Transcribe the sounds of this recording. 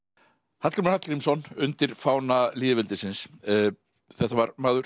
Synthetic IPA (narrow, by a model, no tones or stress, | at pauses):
hat̪kaɾmnat̪̚kɾimsɔnʏnt̪ɪɾ̥faːwnaliːðɪvɪlt̪ɪsɪns | θɛht̪ːavaɾmaːðʏɾ̥